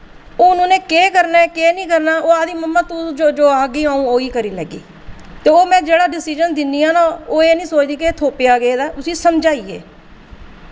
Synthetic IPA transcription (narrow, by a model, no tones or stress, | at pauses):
oːnũːneːkeːkəɾnaːkeːnĩːkəɾnaːoːaːd̪iːməmːaːt̪ũd͡ʒoːd͡ʒoːaːɡiːãːũːoːiːkəɾiːləɡḭː | t̪eːoːmɛ̃ːd͡ʒeːɽaːɖɪsiːd͡ʒənd̪ɪniːaːnaːoːeːnĩːsoːt͡ʃd̪iːkeːt̪ʰoːpjaːɡəeːd̪aːʊsiːsəmd͡ʒaːiːḛː